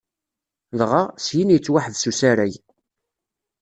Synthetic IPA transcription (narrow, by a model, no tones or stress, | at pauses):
lʁasjinjət͡sːwaħəðsusaɾæj